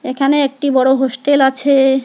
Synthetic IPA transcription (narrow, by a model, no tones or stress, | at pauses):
ekʰaneek̚ʈibɔɽoɦosʈelat͡ɕʰe